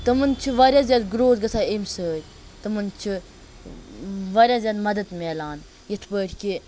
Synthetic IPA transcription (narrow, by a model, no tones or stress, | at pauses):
t̪ɐmɨnt͡ʃʰiʋɐɾʲjaːzʲjaːd̪ɡɾoːzɡɐsaːemsəːɾʲ | t̪ɐmɨnt͡ʃʰi | ʋɐɾʲjaːzʲad̪mɐd̪ɐd̪meːlaːn | jɐt̪ʰpəːɾʲki